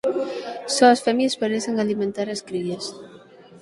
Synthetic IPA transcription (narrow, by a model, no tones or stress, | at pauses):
sɔɐsfɛmjespaɾeseŋalimẽnt̪aɾeskɾiʎes